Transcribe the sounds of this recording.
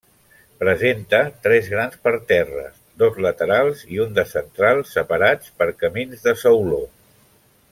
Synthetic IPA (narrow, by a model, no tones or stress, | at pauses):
pɾəzent̪ət̪ɾɛzɣɾanspəɾt̪ɛrə̰sd̪ozlət̪əɾalˠziund̪əsənt̪ɾalˠsːəpəɾat͡spəɾkəminzðəsəwlo